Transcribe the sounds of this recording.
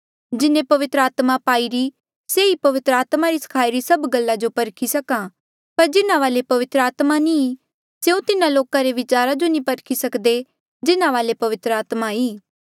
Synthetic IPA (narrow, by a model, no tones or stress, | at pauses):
d͡ʒɪnẽpɐʋɪt̪ɾəaːt̪mapaːiɾi | seipɐʋɪt̪ɾəaːt̪maɾisə̥kʰaːiɾisɐbɡɐlːad͡ʒopɐɾkʰisɐkã | pɐɾd͡ʒɪnãʋaːlepɐʋɪt̪ɾəaːt̪manĩ | seũt̪ɪnãloːkãɾeʋɪt͡ʃaːɾad͡ʒonĩpɐɾkʰisɐkd̪e | d͡ʒɪnãʋaːlepɐʋɪt̪ɾəaːt̪maiː